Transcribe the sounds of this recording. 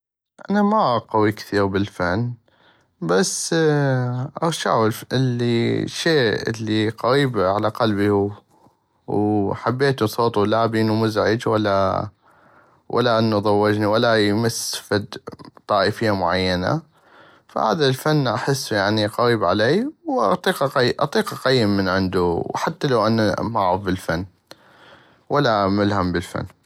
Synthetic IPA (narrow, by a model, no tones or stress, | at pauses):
ʔa̰namaqawikθiːɾbɪlfanː | bas | ʔɑɾʃa̰ʕlɪlːiʃeːɪ̰lːiqɑɾiːbʕalaqalbiw | wħabːeːt̪usˤoːt̪ˤulabiːnwmʊzʕɪd͡ʒwalːa | wʔa̰lːaʔɪnːuðˤɑwːɪd͡ʒniwalːajmasfɪd̪t̪ˤːɑːʔəfɪjːamʊʕajːana̰ | fa̰ha̰ːd̪alfanːʔaħɪsːjaʕniqɑɾiːbʕaleːjwʔɑ̰t̪ˤiːqɑqːʔɑ̰t̪ˤiːqɑqajːɪmːənʕɪnd̪uwħat̪ːalawʔanamaʕɑfbɪlfanː | wʔalːamɪlhambɪlfa̰nː